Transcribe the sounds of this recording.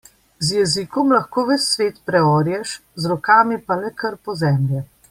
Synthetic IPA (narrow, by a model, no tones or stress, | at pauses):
zjɛzikɔmlɐxkoːʋɛt͡ssʋeːt̪pɾɛɔːɾjɛʃzɾɔkaːmipalɛkəɾpɔzɛmljɛ